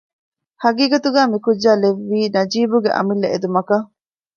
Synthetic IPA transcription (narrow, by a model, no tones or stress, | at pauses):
hɐɡiːɡɐt̪uɡæːmikud͡ʒːaːleʋːiːnɐd͡ʒiːbuɡḛʔɐ̰milːeed̪umɐkɐ